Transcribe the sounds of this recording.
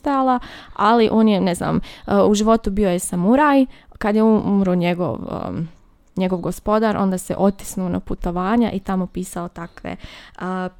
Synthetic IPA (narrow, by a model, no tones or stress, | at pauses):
t̪ajalˠaaliʔo̞ːnjenezna̰ːmuʒiʋo̞t̪ubio̞jesamuɾaːjkad̪jeuumɾoɲeɡo̰ʋə̰ | ɲe̞ɡo̞ʋɡo̞spo̞d̪aɾʔo̞̰nd̪asḛʔo̞t̪i̥snuona̰put̪o̞ʋaːɲa̰ʔit̪amo̞piːsaot̪akʋḛ